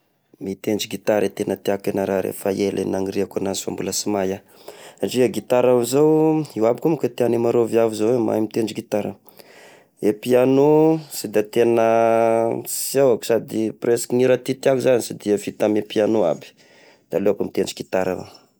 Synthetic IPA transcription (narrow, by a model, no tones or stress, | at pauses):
mit̪enɖ͡ʐiɡit̪aɾet̪enət̪iakanaɾaɾḛfaelʔḛnaŋiɾiakanaza̰mbuləsimaja | aʈ͡ʂiaɡit̪aɾavzawiwabikumakat̪ianimaɾovjavizowema̰imit̪enɳd͡ʒiɡit̪aɾa̰ | epianusid̪at̪enə | siawaku̥sad̪ipreskiniɾat̪it̪iakuzanisid̪iəfit̪amepianua̰bi̥ | d̪̥aleakumit̪enɖ͡ʐiɡit̪aɾa̰wa̰